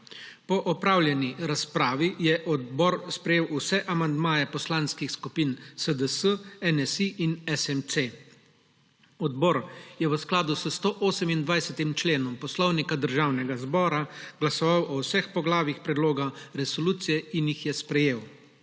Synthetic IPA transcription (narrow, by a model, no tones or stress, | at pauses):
pɔʔɔpɾaːwljɛniɾaspɾaːʋijɛʔɔd̪bɔɾspɾɛjeːwusɛʔamand̪maːjɛpɔslaːnskixskupiːnsəd̪əsəɛnɛsiinɛsɛmt̪se | ɔd̪bɔːɾjɛwəsklaːd̪usəst̪oːʔoːsɛmind̪ʋajsɛt̪imt͡ʃleːnɔmpɔslɔwnikad̪əɾʒaːwnɛɡazbɔːɾaɡlasɔʋawʔɔwsɛxpɔɡlaːʋixpɾɛd̪loːɡaɾɛsɔluːt̪sijɛinjixjɛspɾɛjeːw